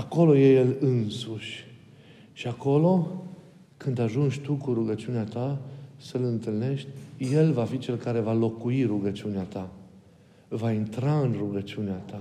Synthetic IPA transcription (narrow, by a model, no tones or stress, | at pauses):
ako̞lo̞je̞je̞lɨnsuʃʲ | ʃiako̞lo̞ | kɨnd̪aʒunʃʲt̪ukuɾuɡət͡ʃiuneat̪asəlɨnt̪ɨlne̞ʃt̪ʲje̞lvafit͡ʃe̞lkaɾe̞valo̞kuiruɡət͡ʃiuneat̪a | vaint̪ɾaɨnruɡət͡ʃiuneat̪a